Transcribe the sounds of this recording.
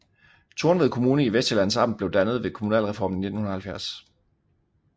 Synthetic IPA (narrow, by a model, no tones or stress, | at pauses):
t͡sʰoɐnʋe̝ð̩ˠkʰo̝muːnəiʋesd̥əlæn̰sɑ̥̈n̩d̩b̥le̝ʊd̥ænəð̞̩ˠʋe̝kʰo̝munɛ̰ːlʁɛfɒ̰ːmn̩nːe̝d̥n̩hunɐhælfjæɐ̰s